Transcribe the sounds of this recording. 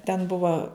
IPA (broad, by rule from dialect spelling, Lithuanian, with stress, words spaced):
tʲɛn ˈbʊʋoː